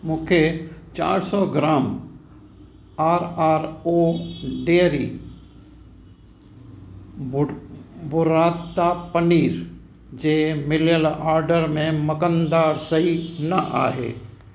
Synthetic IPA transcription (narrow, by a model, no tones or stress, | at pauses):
mũːkʰet͡ʃa̰ːɾsɔːɡɾaːm | aːɾaːɾoːɖeːɾi | bʊɾaːt̪ːapəniːɾ | d͡ʒeːmɪljəlaːɾɖəɾmẽmɐkənd̪aːɾsɐɦinɐʔa̰ːɦḛː